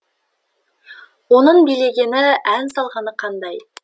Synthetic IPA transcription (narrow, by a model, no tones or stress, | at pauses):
wo̞nəɴbijle̞ɡʲe̞nɪænsɑlˠʁɑnəqʰɑnd̪ɑj